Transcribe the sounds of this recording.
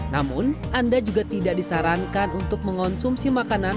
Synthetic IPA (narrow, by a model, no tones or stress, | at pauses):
namʊnandad͡ʒuɡat̪idak̚disaɾaŋkanunt̪ʊk̚məŋɔnsumsimakana